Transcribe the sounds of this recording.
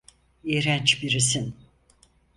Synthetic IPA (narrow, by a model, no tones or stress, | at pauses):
iɾænt͡ʃbiɾisin